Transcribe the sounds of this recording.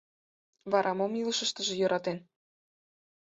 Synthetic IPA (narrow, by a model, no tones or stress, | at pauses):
βɑɾʔɑmomiləʃə̆ʃt̪ə̆ʒĕjø̆ɾʔɑt̪en